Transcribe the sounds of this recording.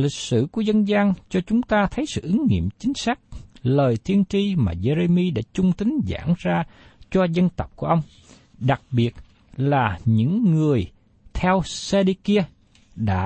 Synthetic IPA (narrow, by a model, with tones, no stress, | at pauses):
lï˨˩k̟̚sɨ̰˧˩ku˧˩əzə˧nzaː˧ŋt͡ɕɔ˧t͡ɕʊ˨˦ŋ͡mt̪aː˧t̪ʰə˨˦jsɨ̰˧˨ʔɨ˨˦ŋŋḭ˧˨əmt͡ɕï˨˦ŋ̟saː˦˥k̚ləː˨˩jt̪ʰi˧ənt͡ɕi˧ma̰ː˨˩ze˧ɾe˧mi˧ɗa̰ː˧˥t͡ɕʊ˧ŋ͡mt̪ï˨˦ŋ̟za̰ː˧˩ŋzaː˧t͡ɕɔ˧zə˧nt̪ə˨˩wk͡p̚ku˧˩əʔə˧wŋ͡m | ɗa˨˩k̚ɓi˨˩ət̚ | laː˨˩ɲɨ̰˧˥ŋːɨ˨˩əj | t̪ʰɛ˧wse˧ɗi˧ki˧ə | ɗa̰ː˧˥